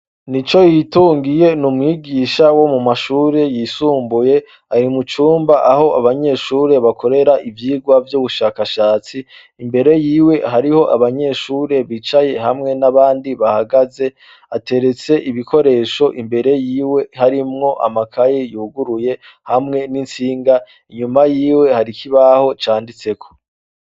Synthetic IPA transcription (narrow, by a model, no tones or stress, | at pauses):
nit͡ʃo̞jituːŋɡije̞numŋiːɡiːʃawo̞mumaʃuːɾe̞jiːsuːmbuje̞ | aɾimut͡ʃuːmbaʔaho̞ʔaβaɲe̞ʃuːɾe̞βakʰo̞ɾe̞ɾaʔivjiːɡwavjuːβuʃaːkaʃaːt͡siː | mbe̞ɾe̞jiːwe̞ɦaɾiho̞ʔaβaɲe̞ʃuːɾe̞βiːt͡ʃaje̞ɦamŋe̞naβaːndiβahaɡaze̞ | ate̞ɾe̞t͡se̞ʔiβikʰo̞ɾe̞ʃo̞ʔimbe̞ɾe̞jiːwe̞haɾimŋo̞ʔa̰makʰajejuːɡuɾuje̞ | hamŋe̞nint͡siːŋɡa | iɲumajiːwe̞haɾikʰiβaho̞t͡ʃaːndit͡se̞kʰo̞̥